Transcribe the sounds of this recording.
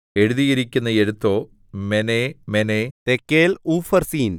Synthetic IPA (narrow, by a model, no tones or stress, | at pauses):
e̞ɻuðijiɾikʲːunːɐeɻut̪ːo̞ː | menemenet̪ekːeːluːfɐrsiːn